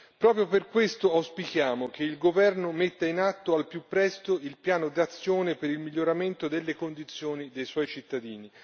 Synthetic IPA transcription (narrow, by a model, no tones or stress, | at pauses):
pɾɔːpɾjoperkwest̪oawspikjaːmok̟eilɡovɛrnomet̪ːainat̪ːoalpjupːɾɛst̪oilpjaːnod̪at̪sːjoːnepeɾilmiʎːoɾament̪od̪elːekond̪it̪sːjoːnid̪ejswɔjt͡ʃit̪ːad̪iːni